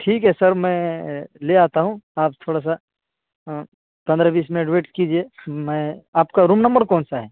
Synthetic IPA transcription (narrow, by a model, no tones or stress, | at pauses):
ʈʰiːkɦɛsɐɾmɛ̃leaːt̪aɦũaːpt̪ʰoːɽas̬a | pɐ̃nd̪ɾabiːsmẽɖʋeːʈkid͡ʒiemɛ̃aːp̚kaɾũːmnɐ̃mbəɾkɔːnsaɦɛː